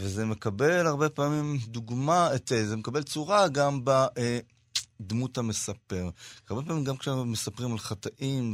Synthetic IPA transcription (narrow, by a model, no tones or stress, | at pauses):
vezemekabe̞laʁbepaːmimd̪uɡmaet̪ezemekabe̞lt͡suʁaɡambaʔe | d̪mutame̞sape̞ʁaʁbe̞p̬aːmimɡamkʃemesapʁimalχat̪aʔim